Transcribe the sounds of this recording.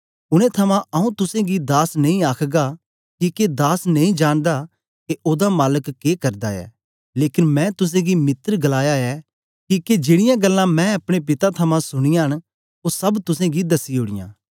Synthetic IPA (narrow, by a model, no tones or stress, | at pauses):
ʊɽ̃ɛ̃t̪ʰɐmãʔɐũt̪ʊsẽɡid̪aːsnɐ̃ĩaːkʰɡa | kiked̪aːsnɐĩd͡ʒaːɽ̃d̪a | keʔoːd̪amaːləkːekɐɾd̪aɛ̰ː | leːkɪnmɛ̃ːt̪ʊs̬ẽɡimɪt̪ɾɡɐlaːjaɛ | kiked͡ʒeːɽɪjãɡɐlːãmɛ̃ːɐpɽ̃epɪt̪at̪ʰɐmãsʊɽ̃ɪjãɦəñ | osɐbt̪ʊsẽɡid̪ɐsiɦʊːɽ̃ɪ̰jã̰ː